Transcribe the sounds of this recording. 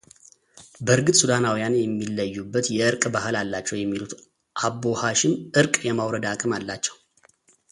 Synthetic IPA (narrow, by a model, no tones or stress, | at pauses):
bəɨɾɡɨt̪ʼsud̪anawijanjɛmːilːəjːubːət̪jɛɨɾkʼbahɨlalːat͡ʃːɛwjɛmːilut̪ | ʔabːo̞haʃɪmʔɨɾkʼjɛmawɾəd̪akʼɨmalːat͡ʃːɛw